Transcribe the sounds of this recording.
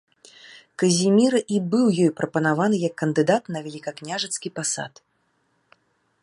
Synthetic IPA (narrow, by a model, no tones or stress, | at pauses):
kɐzʲimʲiɾɐʔibɨwjɔjpɾʔɐpɐnavanɨjɐkːɐnd̪ɨd̪at̪nɐvʲɛlʲikɐknʲaʐɛt̪skʲipasa̰t̪